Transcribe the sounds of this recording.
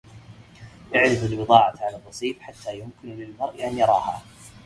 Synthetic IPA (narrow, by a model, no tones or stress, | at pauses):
ʔaʕɾɪfalbɨðˤɑːʕaʕalaːˤbɑsˤiːfħat̪ːaːjʊmkɪnlɪlmɑɾˤʔʔanjɑɾˤɑːha̰ː